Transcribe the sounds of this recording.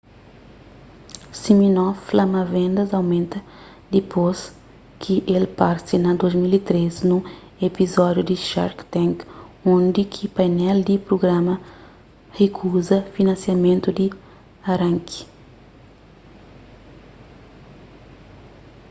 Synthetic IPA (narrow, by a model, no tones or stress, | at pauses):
siminɔflamɐvẽnd̪ɐzawmẽnt̪ɐ | d̪ipʰos | kʰiʔelpaɾsinɐd̪ozmilit̪ɾeznũ | epizɔd̪jud̪iʃa̰ɾkt̪ɛ̃ŋkõnd̪ikʰipajnɛld̪ipɾoɡɾãmɐ | hekʰuzɐfinɐ̃nsjamẽnt̪ud̪i | aɾãŋki̥